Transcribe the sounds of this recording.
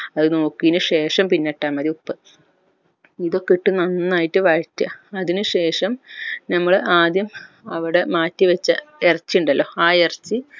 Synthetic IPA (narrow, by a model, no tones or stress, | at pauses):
ɐðɨnoːkːijinɨʂe̞ːʂɐmpinːeʈːaːmɐðiupːɨ | iðo̞kːiʈːɨnɐnːaːjitːɨʋaɻtːɐ̰ɐðinɨʂe̞ːʂɐmnɐmːɐɭɨʔaːd̪jɐm | ɐʋiɽe̞maːtːiʋɐt͡ɕːɐ̰erɐt͡ɕːiuɳɖɐlːoːaːerɐt͡ɕːɨ